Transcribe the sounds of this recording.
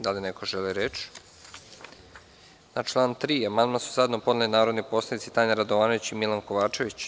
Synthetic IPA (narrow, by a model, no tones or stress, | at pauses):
d̪alinekoʒeliɾet͡ʃ | nat͡ʃlˠaːnt̪ɾiːamand̪mansu̥zad̪nopo̞d̪nalinaːɾod̪niposlˠanit̪sit̪aɲaɾad̪oʋaːnoit͡ɕimilankoʋaːt͡ʃe̞ʋit͡ɕ